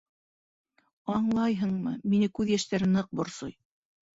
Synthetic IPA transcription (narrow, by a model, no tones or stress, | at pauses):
ɑɴlˠɑjɦɤɴmɤminɘkʉðjæʃt̪æɾɘnɤq̚bŏɾsoj